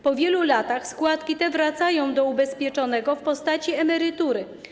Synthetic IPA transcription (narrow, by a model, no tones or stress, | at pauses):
pɔvʲjɛlulat̪axskwat̪kʲit̪ɛvɾat̪sajɔ̃w̃d̪ɔubɛspʲjɛt͡ʂɔnɛɡɔfpɔst̪at͡ɕiɛmɛɾɘt̪uɾɘ